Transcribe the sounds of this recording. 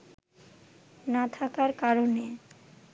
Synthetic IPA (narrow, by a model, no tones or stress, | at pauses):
nat̪ʰakaɾkaɾone